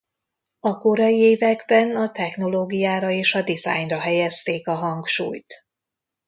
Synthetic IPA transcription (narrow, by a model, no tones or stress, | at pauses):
ɒko̞ɾɒjieːvɛɡbɛnɒt̪ɛxno̞loːɡijaːɾɒeːʃɒd̪iza̰ːjnrɒɦɛjɛst̪eːkɒɦɒŋkʃṵːjt̪